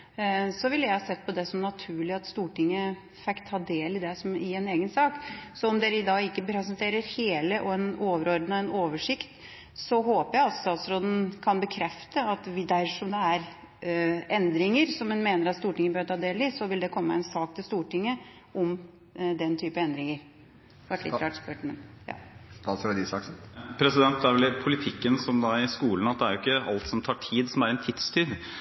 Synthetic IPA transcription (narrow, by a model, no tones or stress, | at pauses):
sɔʋɪləjæɪhɑsɛt̪ːpʰɔd̪ɛsɔmnɑt̪ʰʉːɭɪɑt̪st̪uːʈɪŋːə | fɛkt̪ʰːɑːd̪eːlɪd̪ɛsɔmɪɛneːɡənsɑːksɔɔmd̪eːɾəɪd̪ɑːɡɪkːəpʰɾɛsɛnt̪ʰeːɾəɾheːləʔɔɛnoːʋəɾɔɾd̪nəɛnoːʋəʂɪkt̪ | sɔɦoːpəjæɪɑlst̪ɑːt̪sɾoːd̪n̩kʰɑnbəkʰɾɛft̪əɑt̪ʋɪd̪æɾʂɔmd̪ɛæɾ | ʔɛnd̪ɾɪŋəɾsɔmɛnmeːnəɾɑt̪st̪uːʈɪŋːəbøːøt̪ʰɑːd̪eːlɪsɔʋɪld̪ɛkʰɔmːəɛnsɑːk̚t̪ʰɪlst̪uːʈɪŋːə | ʔɔm | d̪ɛnt̪ʰyːpəɛnd̪ɾɪŋəɾ | ʋɑʈlɪ̰əɾɑtspøʈmɛnjɑ̰ːt̪ɑsd̪ɪsɑspʰɾɛsɪd̪ɛnt̪̚d̪ɛæʋɛlɪpʰʊlɪt̪ʰɪkːənsɔmd̪ɑɪskuːln̩ɑt̪̚d̪ɛæɾjʊɪkːəɑ̰lt̪sɔmt̪ʰɑːʈʰiːd̪sɔmæɾɛnt̪ʰɪt̪st̪ʰyːɾ